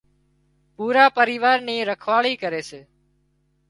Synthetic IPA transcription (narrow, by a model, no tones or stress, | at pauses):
puːɾaːpəɾiːʋaːɾniːɾəkʰʋaːɭiːkəɾeːseː